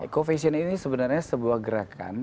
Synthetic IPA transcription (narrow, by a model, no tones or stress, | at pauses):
kofesiəninisəbənarɲasəbuahɡəɾaka̰n